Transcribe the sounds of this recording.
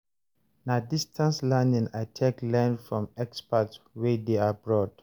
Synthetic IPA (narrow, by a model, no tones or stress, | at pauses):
nadistʰãnslãndĩŋatʰeklɛ̃ndfɹɔ̃mɛkspatswedeabɹɔt